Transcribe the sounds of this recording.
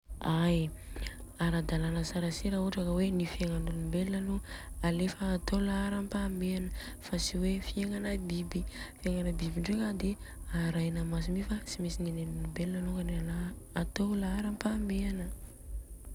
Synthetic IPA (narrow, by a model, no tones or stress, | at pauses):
aj | aɾad̪alanəsaɾaseɾauʈ͡ʂakəwenifiaŋanulibelːanoalefəːt̪olaaɾampambeanə | fasiwefieŋanabibifieŋanəbibiɳɖ͡ʐeŋad̪eaɾajnamas̬imifasimesinenenunibelːanokanealaːt̪olaaɾampambeanə